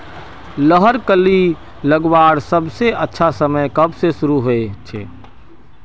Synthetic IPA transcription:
ləɦəɾkəlːi | ləɡbaːɾsəbseətːʃʰasəməjkəbsesʊɾuɦoet͡ʃʰḛː

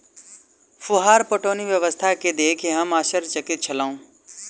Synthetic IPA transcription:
fʊɦaːɾpoʈoːniʋjəʋəst̪ʰaked̪eːkʰeɦəmaːsəɾt͡ʃəkɪt̪̚t͡ʃʰɐlaːũː

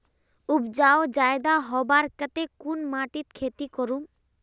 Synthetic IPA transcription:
ubd͡ʑaod͡ʑaed̪aɦɔbaɾkət̪ekunmaʈit̪kʰet̪ikoɾum

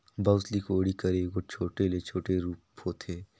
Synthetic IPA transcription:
bɐwslikoːɽikɐɾeːɡot͡ʃʰoːʈelet͡ʃʰoːʈeɾuːphoːt̪ʰeː

